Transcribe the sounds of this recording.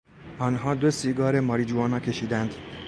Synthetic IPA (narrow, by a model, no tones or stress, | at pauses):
ʔɒːnɦɒːd̪o̞siːɡɒːɾemɒːɾid͡ʒuɒːnɒːkʰʲe̞ʃiːd̪ænd̪